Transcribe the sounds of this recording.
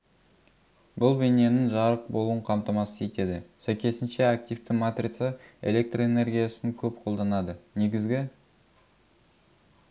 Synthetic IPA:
bʊlˠbene̞nɪŋʒɑɾəq̚bo̞lˠuəɴqʰɑmt̪ɑmɑsəje̞t̪e̞d̪ɪsæjkʲe̞sɪnʃe̞ak̚t̪ift̪ɪmat̪rʲit̪səḛlʲe̞k̚t̪roene̞rɡʲijasɪŋkʲʰɵpqʰo̞lˠd̪ɑnɑd̪əne̞ɡʲɪzɡʲɪ

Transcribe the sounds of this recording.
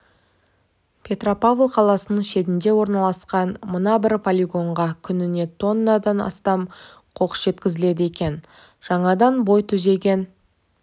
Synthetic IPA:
pʲʰe̞t̪ro̞pavlˠqʰɑlˠɑsənəɴʃe̞t̪ɪnd̪e̞wo̞ɾnɑlˠɑsqɑnmənɑbɪɾpʰolʲiɡo̞ɴʁɑkʲʰʏnɪne̞t̪ʰo̞nːɑd̪ɑnɑ̰st̪ɑm | qʰo̞qə̥sʒe̞t̪kʲɪzɪle̞d̪ɪe̞kʲe̞n | ʒ̥ɑɴɑd̪ɑnbo̞jt̪ʰʏze̞ɡʲe̞n

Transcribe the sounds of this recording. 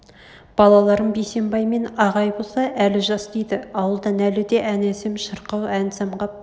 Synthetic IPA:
b̥ɑlˠɑlˠɑɾəmbejse̞mbɑjme̞nɑʁɑjbo̞lˠsɑʔælɪʒɑsd̪ejd̪ɪɑwəlˠd̪ɑnælɪd̪e̞ʔænesɪmʃəɾqɑwænsɑmʁɑp̚

